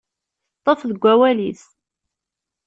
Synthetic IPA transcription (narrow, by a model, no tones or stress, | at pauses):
t̪ˤːəfðəɡʷːæwæliθ